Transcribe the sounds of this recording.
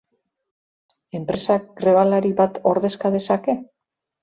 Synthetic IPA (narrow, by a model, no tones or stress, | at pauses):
e̞mpɾe̞sakɡɾe̞βalaɾiβat̪o̞ɾðe̞skað̞e̞sake̞